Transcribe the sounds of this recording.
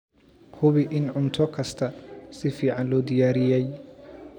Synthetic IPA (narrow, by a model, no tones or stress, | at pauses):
hʊβɪʔɪnʕʊnt̪ʰɔkʰɐst̪ʰɐsɪfiːʕɑnlɔːd̪ɪjaːɾɪjɛj